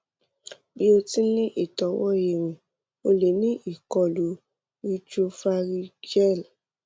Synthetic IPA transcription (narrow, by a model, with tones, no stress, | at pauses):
bi˦o˧ti˦nĩ˦ʔi˨tɔ˨˦wɔ˦e˨w̃ĩ˨ | o˧le˨˦nĩ˦ʔi˦˨kɔ˨lu˨˦ | ɾi˧t͡ʃu˧fa˧ɾi˧d͡ʒɛ˦˨l